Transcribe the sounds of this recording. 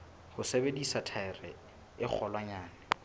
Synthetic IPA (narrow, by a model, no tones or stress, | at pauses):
hʊsebedisatʰaɪrɪ | ɪk͡xʰɔlwaɲaːnɪ